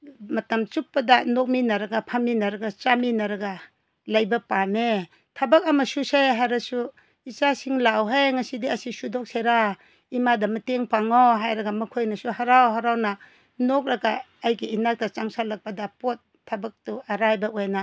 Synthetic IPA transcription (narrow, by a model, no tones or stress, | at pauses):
mɐtɐmt͡ʃuk̚ːɐdanok̚minɐɾɐɡapʰaminɐɾɐɡat͡ʃaminɐɾɐɡa | lajbɐpane | tʰabɐk̚ɐmɐsusejɦajɾɐsu | it͡ʃasiŋlawɦejŋɐsidiɐsisudok̚seɾa | imadɐmɐteŋpaŋoɦajɾɐɡamɐkʰojnɐsuɦaɾawɦaɾawna | nok̚ɾɐɡaː | jɡiinak̚tɐt͡ʃaŋsalɐk̚pɐdɐpot̚ʰːabak̚tuɐɾajbaojna